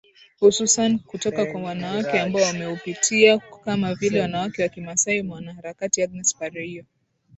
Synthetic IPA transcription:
hususanikutɔkakwawanawakɛambaɔwamɛupitʰiakamavilɛwanawakɛwakimasaimwanahaɾakatiaɡ̚nɛspaɾɛiɔ

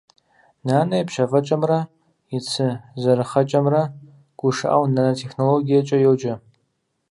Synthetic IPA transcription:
naːnɐjpʃɐvɐt͡ʃʼɐmrɐ | ɪt͡sʰɨzɐɾɨχɐt͡ʃʼɐmrɐ | ɡ̥ʷʊʂɨ̰ʔa̰wnanɐtʰeχnoloɡijɐt͡ʃʼɐjowt͡ʃʼɐ

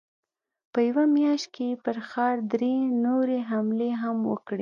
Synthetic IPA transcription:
pəjawamjɑʃt̪̚kepəɾxɑɾd̪ɾenoɾeɦamleɦamwə̰kɽe

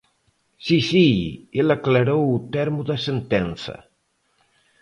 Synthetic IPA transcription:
sisielaklaɾowut̪ɛɾmuðəsent̪ɛnsɐ̰

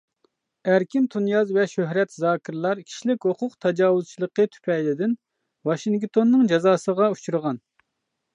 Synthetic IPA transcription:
æɾkʲint̪ʰunjɑzvɛʃøɦɾɛt̪zɑːkʲʰɪɾlˠɑɾkʲʰi̥ʃlɪkʲhoqʰʊqt̪ʰɑd͡ʒɑːwuzt͡ʃʰilˠəqːət̪ʰy̥pʰɛjlɪd̪ɪn | wɑʃiŋkt̪ʰonːɨŋd͡ʒɑzɑːsəʁɑut͡ʃʰuɾəʁɑn

